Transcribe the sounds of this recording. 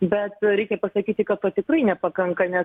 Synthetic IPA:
bʲɛt̪ɾʲɛɪkʲɛpɐsɐkʲiːt̪ʲɪkɐt̪toːt̪ʲɪkrɐɪnʲɛpɐkɐŋkɐnʲɛ

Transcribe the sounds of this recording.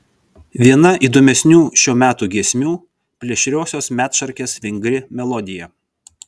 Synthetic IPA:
ʋʲiɛnɐʔiːd̪oːmʲɛsʲnʲuːʃʲuːmʲæːt̪uːɡʲiɛsʲmʲuː | pʲlʲɛʃʲɾʲoːsʲoːsmʲæːt̪ʃɐɾʲkʲeːsʋʲɪŋʲɡɾʲɪmʲɛlˠɔd̪ʲɪjɛ

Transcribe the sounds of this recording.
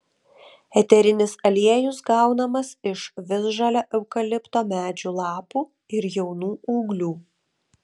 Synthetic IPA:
ɛt̪ʲɛɾʲɪnʲɪsɐlʲiɛjʊsɡɑˑʊnɐmɐsɪʃʋʲɪzʒɐlʲoːʔɛʊkɐlʲɪpt̪oːmʲæːd͡ʒʲuːlˠɑːpuː | ɪɾjɛʊnuːuːɡlʲuː

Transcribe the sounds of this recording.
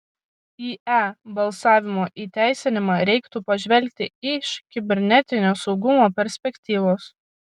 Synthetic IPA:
iːæːbɐlˠsɑːʋʲɪmoːʔiːt̪ʲæˑɪsʲɪnʲɪmɑːɾʲɛɪkt̪upɐʒʲʋʲɛlʲk̚ʲt̪ʲɪɪʃkʲɪbʲɛɾʲnʲɛt̪ʲɪnʲoːsɒʊɡʊmoːpʲɛɾʲsʲpʲɛkʲt̪ʲiːʋoːs

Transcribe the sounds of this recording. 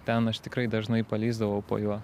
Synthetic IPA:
t̪ʲɛnɐʃt̪ʲɪkɾɐɪd̪ɐʒnɐɪpɐlʲiːzd̪ɐʋɐʊpo̰ːjuɔ

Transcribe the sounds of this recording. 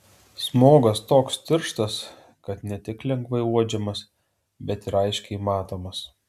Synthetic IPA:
smoːɡɐst̪oːkst̪ʲɪɾʃt̪ɐs | kɐt̪nʲɛt̪ʲɪklʲɛŋɡʋɐɪuɔd͡ʒʲɛmɐs | bʲɛt̪ɪɾɐɪʃʲkʲɛɪmɑːt̪oːmɐs

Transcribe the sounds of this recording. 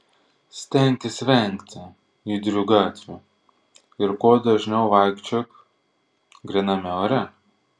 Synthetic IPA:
sʲt̪ʲɛˑnʲt̪ʲɪsʲʋʲɛˑŋʲkʲt̪ʲɪ | id̪ʲɾʲʊɡɑːt̪ʲʋʲʊ | ɪɾkoːd̪ɐʒʲnʲɛʊʋɑˑɪkt͡ʃʲok | ɡɾʲɪnɐmʲɛoɾʲɛ

